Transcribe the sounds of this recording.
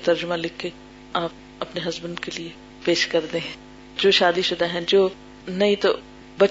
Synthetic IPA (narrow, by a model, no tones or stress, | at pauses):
t̪ɐɾd͡ʒʊmãlɪkʰːe | aːp | ɐpneɦɐzbənkelie | peːʃkɐɾd̪ẽɦɛ̃ | d͡ʒoːʃaːd̪iʃʊd̪aɦɛ̃d͡ʒoː | nɐɦĩt̪o | bɐ